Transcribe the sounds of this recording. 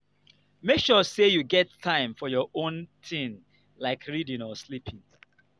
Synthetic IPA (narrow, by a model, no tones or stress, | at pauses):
mekʃɔsejuɡɛtʰːãɪ̃mfɔjɔʔõntʰĩn | laɪkʰɹidɪ̃nɔslipʰɪ̃ŋ